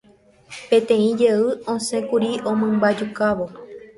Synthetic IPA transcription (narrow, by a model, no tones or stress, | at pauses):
pẽ̞t̪ẽ̞ĩd͡ʒeɨõsẽ̞kuɾiʔõmɨ̃mbad͡ʒukaʋo̞